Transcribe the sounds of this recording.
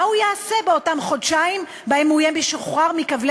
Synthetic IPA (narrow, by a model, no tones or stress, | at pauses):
ahujaːse̞beotamχodʃaim | baemujebiʃoχʁaʁmikavl